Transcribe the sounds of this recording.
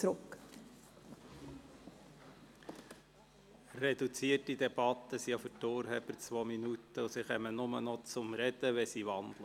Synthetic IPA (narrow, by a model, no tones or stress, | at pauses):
ɾʊk | rɛd̥̪ut͡siətid̪ɛb̥ɑt̪ːəsijɑfʏtoːɾɦɛbəɾt͡sʋɔːminut̪əʊsiχɛmənʊmənɔt͡sʊmɾɛd̪̥əʋɛsiʋɑnd̥̪lə